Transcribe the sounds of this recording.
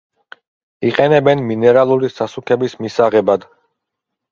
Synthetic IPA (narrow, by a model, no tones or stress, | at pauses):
iqʼɛnɛbɛnminɛɾalˠuɾisasukʰɛbismisaʁɛbad̪